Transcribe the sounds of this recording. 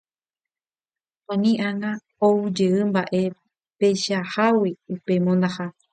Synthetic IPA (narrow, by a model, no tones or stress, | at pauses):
ãnĩʔaŋa | oud͡ʒeɨmbaʔe̞ | pejʃahawiupe̞mõnd̪aha